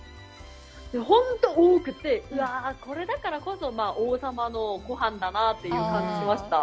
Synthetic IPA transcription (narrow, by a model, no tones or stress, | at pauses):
d̪̥e̞ɦõ̞nt̪o̞oːkɯ̟t̪ːe̞ɯ̟ako̞ɾe̞d̪akaɾako̞so̞maːʔoːsamano̞ɡo̞ɦãnd̪anat̪ːejɯ̟ːkãɲ̟d͡ʑiɕimaɕi̥t̪a